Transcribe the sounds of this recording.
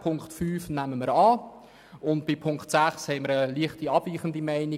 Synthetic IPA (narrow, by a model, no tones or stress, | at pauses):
pʰʊŋkχtfyːfnæməməɾɑː | ʊntbɪpʰʊŋkχtsæχshɛɪməɾəliəχtiɑb̥viːχəndimæɪni